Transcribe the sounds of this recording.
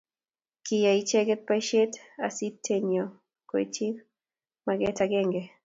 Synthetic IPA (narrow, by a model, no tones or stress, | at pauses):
kijait͡ʃɛɡɛt̚paiʃɛtasitʰːɛɲɔ | kɔɛt͡ʃiv | maɡɛtaɡɛŋɡɛ